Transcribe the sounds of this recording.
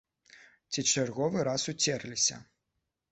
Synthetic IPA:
t͡sʲit͡ʂarɣɔvɨɾasut͡sʲɛrlʲisʲɐ̰

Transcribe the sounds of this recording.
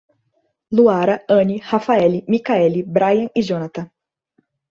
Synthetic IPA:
luaɾɐɐ̃nihafaɛlimikaɛlibɾajɐ̃ŋiʒonat̪ɐ̃

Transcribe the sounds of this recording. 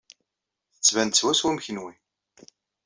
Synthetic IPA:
θət͡sːvænt̪swæswumçənwi

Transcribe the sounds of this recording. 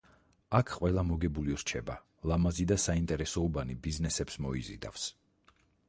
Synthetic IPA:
akʰqʼwɛlˠamɔɡɛbuliɾt͡ʃʰɛba | lˠamazid̪asaint̪ʼɛɾɛsɔubanibiznɛsɛpsmɔizḭd̪a̰fs

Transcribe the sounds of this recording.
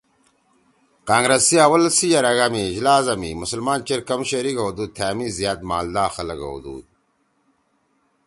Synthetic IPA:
kaːŋɡɾɐsiawɐlsijɐɾɐɡamiːd͡ʑlaːzɐmḭmusəlmaːnt͡ɕeɾkɐmɕɐɾikowd̪ut̪ʰaːmizijaːt̪̚maːld̪aːxɐlɐɡɐ̰wṵd̪ṵːd̪̚

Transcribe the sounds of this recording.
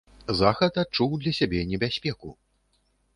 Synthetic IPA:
zaxɐt̪at̪̚t͡ʂuwd̪lʲɐsʲabʲɛnʲɛbʲasʲpʲɛkṵ

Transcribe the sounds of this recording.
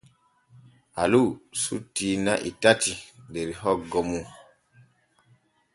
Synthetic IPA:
alusṵtiːnaʔḭtatideɾiɦɔɡɔmu

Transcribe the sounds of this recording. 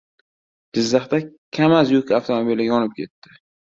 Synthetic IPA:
d͡ʒɪzːɑχt̪akʲʰamazjʊkʲaft̪ʰomobilɪɡʲaɒnɪp̚kʲʰe̞t̪ʰːɪ

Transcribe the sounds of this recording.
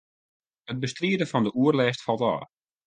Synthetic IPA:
ət̚bəstriədəfɑndəʔuərlɛːstfɑlˠtɔ̰ː

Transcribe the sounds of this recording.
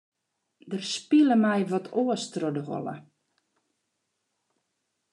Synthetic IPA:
dərspiləmɛjʋɔtʰoəstrodəɦo̰lˠə̰

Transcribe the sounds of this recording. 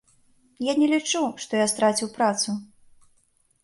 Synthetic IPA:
janʲɛlʲit͡ʂuʂt̪ɔjast̪ɾat͡sʲiwpɾat̪su

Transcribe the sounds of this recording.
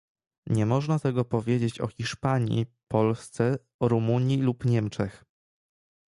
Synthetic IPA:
ɲɛmɔʐnat̪ɛɡɔpɔvʲjed͡ʑet͡ɕɔ̰xʲiʂpaɲḭpɔlst̪sɛ | ɾumuɲjilupɲɛmt͡ʂɛx

